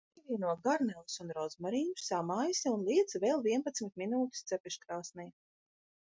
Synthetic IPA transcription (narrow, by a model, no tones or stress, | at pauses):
ivʲiːnuɔɡaɾnɛlˠsunɾɔzmaɾiːnusamajsiunlˠiɛt̪sveːlˠviɛnpat̪smʲit̪minuːt̪i̥st̪sʲɛpʲiʃkɾaːsnɛj